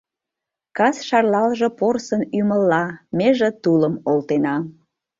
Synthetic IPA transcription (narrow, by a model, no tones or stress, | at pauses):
kɑsʃɑrlɑlʒeporsənyməlːɑmeʒĕt̪uləmolt̪enɑ